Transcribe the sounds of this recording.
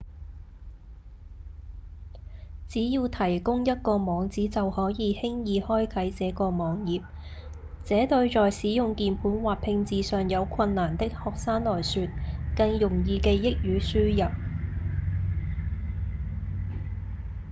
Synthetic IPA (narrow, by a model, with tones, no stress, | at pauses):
t͡siː˨˥jiː˧wt̪ʰɐ˨˩jkʊ˥ŋjɐ˥t̚kɔː˧mɔː˨˧ŋt͡siː˨˥t͡sɐ˨whɔː˨˥jiː˨˧hɪ˥ŋjiː˨hɔː˥jkʰɐ˨˥jt͡sɛː˨˧˥kɔː˧mɔː˨˥ŋjiː˨˩p̚ | t͡sɛː˨˥t̪ɵ˧ɥt͡sɔː˨jsiː˨˥jʊ˨˧ŋkiː˨npʰuː˨˥nwaː˨˩pʰɪ˧ŋt͡siː˨˧sœː˨ŋjɐ˨˧wkʷʰɐ˧nːaː˨˩nt̪ɪ˥k̚hɔː˨k̚saː˥nlɔː˨jsyː˨˧t̚kɐ˧ŋjʊ˨˩ŋjiː˧ke˧jɪ˥k̚jyː˨˥syː˥jɐ˨p̚